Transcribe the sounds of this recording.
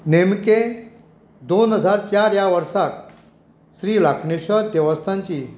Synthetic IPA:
nemke | d̪onɦəd͡zʱaɾt͡ɕaɾjaʋəɾsak̚ | sɾiːlakʰɳeɕəɾd̪ɛʋəst̪ʰãɲt͡ɕiː

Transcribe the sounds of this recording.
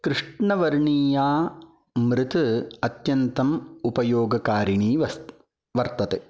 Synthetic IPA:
kɾɪʂʈɳɐʋɐɾɳiːjaː | mɾɪt̪ɨɐt̪jɐnt̪ɐmupɐjoːɡɐkaːɾiɳiːʋɐs | ʋɐɾt̪ɐt̪e

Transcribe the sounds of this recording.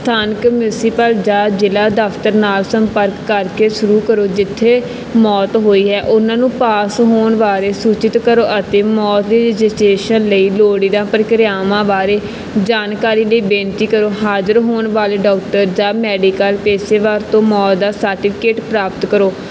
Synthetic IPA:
st̪ʰaːnəkmjuːsipəld͡ʒaːd͡ʒɪlaːd̪əpʰt̪əɾnaːlsəmpəɾkːəɾkeːʃʊɾuːkəɾoːd͡ʒɪt̪ʰːeː | mɔːt̪ɦoːiːɦɛːʔʊnãːnũːpaːsɦoːnʋaːɾeːsuːt͡ʃɪt̪kəɾoːʔət̪eːmɔːt̪̚d̪iːɾɪd͡ʒɪsʈeːʃənləiːloːɽiːd̪ãːpəɾkɾjaːmãːbaːɾeː | d͡ʒaːnkaːɾiːləiːbẽːnt̪iːkəɾoːɦaːd͡ʒəɾɦoːnʋaːleːɖɔːk̚ʈəɾd͡ʒaːmɛːɖiːkəlpeːseːʋaːɾt̪õːmɔːt̪̚d̪aːsəːɾʈɪfʰɪ̥keːʈpɾaːpət̪kəɾoː

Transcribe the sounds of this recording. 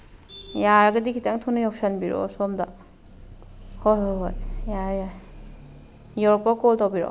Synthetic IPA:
jaɾɡɐdikʰitaŋtʰunajɔp̚sanbiɾɔ̰sɔmda | hojɦojɦojjaɾjaj | jɔɾpɔkɔltawbiɾɔ̰

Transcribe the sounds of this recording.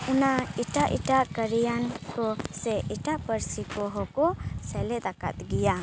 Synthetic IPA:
unaiʈaʔḭʈaʔkəɾijankɔsɛʔiʈaʔpəɾsikɔɦɔkɔsɛlɛd̪aka̰t̪̚ɡija

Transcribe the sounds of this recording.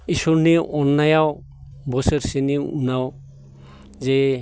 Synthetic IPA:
isɔɾneʔɔnːajaw | bɔseɾseniṵnaw | zɛ

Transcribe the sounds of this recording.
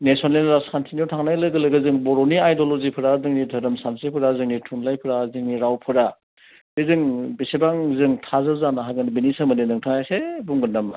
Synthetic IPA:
nesɔnlenɾaskʰantʰinjɔtʰaŋnajlɯɡɯlɯɡɯzɯŋbɔɾoniajdolozipʰɯɾazɯŋnidʱɐɾɯmsansepʰɯɾazɯŋnitʰunlajpʰɯɾazɯŋniɾawpʰɯɾa | bɯzɯŋbisebaŋzɯŋtʰazɯzanaɦaɡɯnbinisɯmɐnenɯŋtʰaŋajsebuŋɡɯndɐm

